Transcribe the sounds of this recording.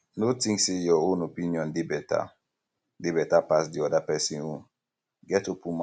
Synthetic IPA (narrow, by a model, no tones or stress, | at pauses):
notĩŋksejɔõnopĩniɔ̃ndebɛta̰ | debɛtapas̬diɔdapɛsĩnõn | ɡɛtopum